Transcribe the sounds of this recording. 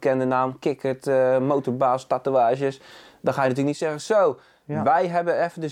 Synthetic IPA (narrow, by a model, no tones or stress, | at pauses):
kɛndənaːmkɪkətmowtəɹbaːstatuaːʒəsdɔxaːjənatyːləknitsɛɣəsoː | ʋɛjɦɛbəɛfədə